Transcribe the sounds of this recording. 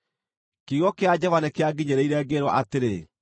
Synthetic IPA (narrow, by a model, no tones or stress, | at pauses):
kiɣɔkead͡ʑɔvanɛkeaɡiɲeɾeiɾɛɡeɾwɔʔateɾe